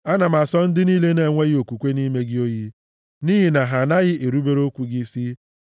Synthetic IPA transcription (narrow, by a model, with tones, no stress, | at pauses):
a˦na˨ma˨sɔ˦n̩˦dɪ˦niː˦le˦ne˨ŋʷe˦ɣɪ˦o˨ku˨kʷe˦ni˦me˦ɡɪ˦o˦ji˦ | ni˦ɦi˨na˨ɦa˨na˦ɣɪ˦ʔe˨ɾu˦be˦ɾo˦kʷu˨ɡi˦si˦